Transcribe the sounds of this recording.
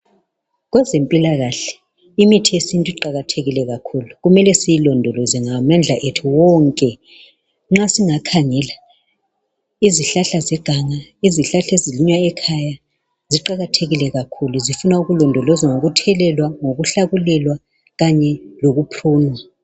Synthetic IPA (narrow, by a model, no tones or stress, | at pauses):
ɣwɛzempʼilaɣaɬɛ̥ | imitʰijesintʼiǃaɣatʰeɣilɛɣakʰuluɣumɛlɛsijilɔndʱɔlɔzɛŋamand͡ɮʱaʔetʰuwɔŋkʼɛ | ŋ͡ǁasiŋakʰaŋɛla | iziɬaɬazɛɡ̥ʱaŋaiziɬaɬeziliɲwaɛkʰaja | ziǃaɣatʰeɣilɛɣakʰuluzifunauɣulɔndʱɔlɔzaŋoɣutʰɛlɛlwaŋoɣuɬaɣulɛlwa | ɣaɲɛloɣupʰruːnwa